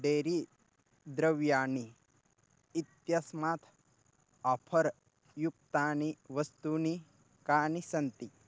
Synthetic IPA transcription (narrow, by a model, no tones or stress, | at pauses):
ɖeːɾi | d̪ɾɐʋjaːni | t̪jɐsmaːt̪ʰ | apʰɐɾ | jukt̪aːniʋɐst̪uːni | kaːnisɐnt̪i